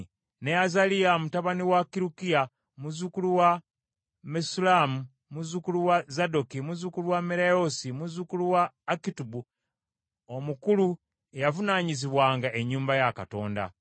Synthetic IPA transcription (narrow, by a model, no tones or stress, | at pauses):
neazalijamutaβaniwakiɾukija | muzukuluwa | mesulamu | muzukuluwazadokimuzukuluwameɾaosimuzukuluwaːkitubu | omukulu | ejavunaːɲiziβwaːŋɡaʔe̞ɲːuːmbajaka̰to̞̰ːnda̰